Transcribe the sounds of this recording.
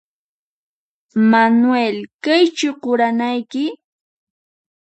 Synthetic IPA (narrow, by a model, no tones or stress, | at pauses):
manwelkajt͡ʃʊɢʊɾanajkɪ